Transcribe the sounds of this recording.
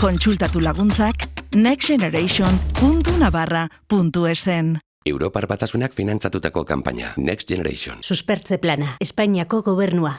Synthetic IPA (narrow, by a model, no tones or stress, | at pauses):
ko̞nt͡sult̪at̪ulaɣ̞unt͡sakneksʝeneɾajʃonpunt̪unaβarapunt̪uesen | e̞wɾo̞paɾbat̪asunakfinant͡sat̪ut̪ako̞kampa̰ɲa̰neksʝeneɾa̰ʃo̰nsuspeɾt͡se̞planaespaɲiako̞ɣo̞β̞e̞ɾnua